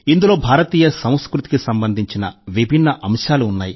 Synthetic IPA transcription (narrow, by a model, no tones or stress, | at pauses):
ind̪ulo̞ːbʱaːɾɐt̪iːjɐsɐm̃skɾut̪i̥kisɐmbɐnd̪ʱiɲt͡ʃinɐʋibʱinːɐʔɐmʂaːluːnːaːji